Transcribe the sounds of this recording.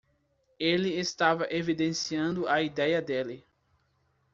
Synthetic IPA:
elɪest̪avɐʔevid̪ẽsiɐ̃nd̪ʊɐid̪ɛjɐd̪elɪ

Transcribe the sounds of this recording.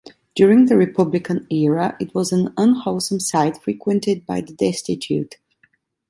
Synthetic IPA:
d̥jʊɹɪ̃ŋðɨɹɪpʰʌblɪkʰə̃nɛɹəʔɪt̚wʌzə̃nə̃nhoʊlˠsə̃msaɪtfɹikʰwɨ̃ntɪd̚baɪðədɛstɪtʰjʉ̰t

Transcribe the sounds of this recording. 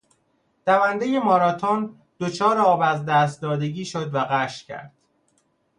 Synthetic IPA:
d̪̥ævænd̪e̞je̞mɒːɾɒːt̪ʰon | d̪̥ot͡ʃʰɒːɾeɒːbæzd̪æːst̪̚d̪ɒːd̪e̞ɟiːʃod̪væɣæʃcʰæ̰ɾd̪̥

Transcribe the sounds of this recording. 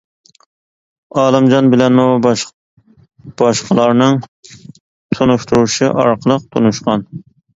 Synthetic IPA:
ɑːlˠɨmd͡ʒɑnbɪlɛnmu | b̥ɑʃqəlˠɑɾnɨŋ | sʰonuʃt̪uɾuʃiʔɑɾqʰəlˠəq̚t̪ʰo̰nuʃqɑn

